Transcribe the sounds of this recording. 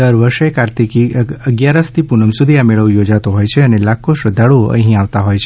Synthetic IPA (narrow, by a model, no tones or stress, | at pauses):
əɾʋəɾʃekaɾt̪ikiəɡjaɾəst̪ʰipunəmsud̪ʱiameɭəʋjod͡ʒat̪oɦojt͡ʃʰeənelakʰoʃɾəd̪ʱaɭoə̰̃ɦĩaʋt̪aɦojt͡ʃʰe